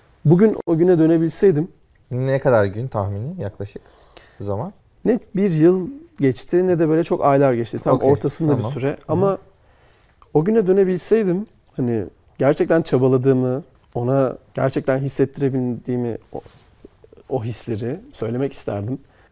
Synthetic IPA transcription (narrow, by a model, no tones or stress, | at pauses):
buɟyno̞ɟynɛd̪ø̞ne̞bilʲsɛjd̪im | nɛkʰad̪aɾɟynt̪ʰahminijaklˠaʃɯ̥k | uzaman | nɛbiɾjɯlˠɟɛt͡ʃt̪ʰɪnɛd̪ɛbøːlʲɛt͡ʃʰo̞kajlʲˠaɾɟɛt͡ʃt̪ʰit̪ʰakoɾt̪ʰasɯnd̪abissyɾɛama | o̞ɟynɛd̪ø̞ne̞bilʲsɛjd̪im | hani | ɟæɾt͡ʃʰɛc̚t̪ʰænt͡ʃʰabalˠad̪ɯːmɯ | o̞naɟ̥æ̰ɾt͡ʃʰɛc̚t̪ʰænɦisːɛt̪ʰːiɾebilʲd̪iːmi | o̞ɦislʲe̞ɾɪsø̞jlʲe̞mɛcʰi̥st̪ʰæ̰ɾd̪im